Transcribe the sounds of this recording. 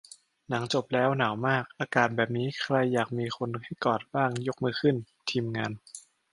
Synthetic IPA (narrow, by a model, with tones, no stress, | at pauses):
na˩˦ŋt͡ɕo˨˩p̚lɛː˦˥wna˩˦wmaː˥˩k̚ʔaː˧kaː˨˩t̪̚bɛː˨˩p̬̚niː˦˥kʰɾa˧jːaː˨˩k̚miː˧xʰo˧nha˥˩jkɔː˨˩t̪̚baː˥˩ŋjo˦˥k̚mɯː˧˩kʰɯ˥˩n | t̪ʰiː˧mŋaː˧n